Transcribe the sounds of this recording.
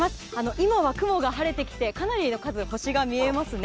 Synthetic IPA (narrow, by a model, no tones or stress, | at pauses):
masɨano̞ʔimaβakɯ̟mo̞ɡaɦaɾe̞t̪e̞kʲi̥t̪e̞kanaɾʲino̞kazɨho̞ɕiɡamʲie̞masɨn